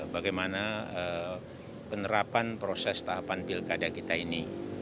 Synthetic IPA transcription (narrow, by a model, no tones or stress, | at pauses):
baɡajmanaə | pənəɾapanpɾosɛst̪aɦapanpilkadakit̪aini